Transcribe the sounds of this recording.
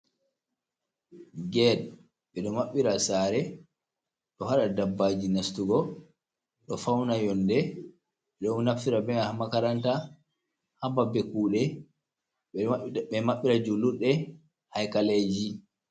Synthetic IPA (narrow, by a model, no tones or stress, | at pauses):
ɡɛɗ | ɓɛɗɔmaɓːiɾasaːɾɛ | ɗɔhaɗadabːaːd͡ʒinastuɡɔ | ɗɔfawnajɔndɛ | ɓɛɗɔnnafiɾabɛŋhamakaɾanta | hababɛkuːɗɛ | ɛmaɓːiɾad͡ʒuluɗːɛ | hajkaled͡ʒi